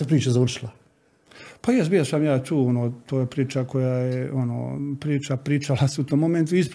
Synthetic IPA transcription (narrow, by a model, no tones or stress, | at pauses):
epɾiːt͡ʃazaʋr̩ʃilˠa | pajɛsbiosamjaːt̪uːonot̪oːjepɾiːt͡ʃako̞jajeʔono̰pɾiːt͡ʃapɾiːt͡ʃalasut̪oːmːoment̪ui